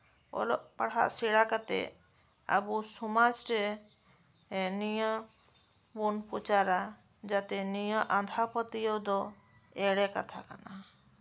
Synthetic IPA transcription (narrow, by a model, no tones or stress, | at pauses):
ɔ̰lɔʔpaɽ̤a̰ʔsiɽakat̪ɛ̰ | a̰busumad͡ʒɾɛ | nijə | bunpɔt͡ʃaɾa | d͡ʒat̪ɛnijəʔand̪ʱapət̪ijɔd̪ɔ | ɛɽɛkat̪ʰa̰ka̰na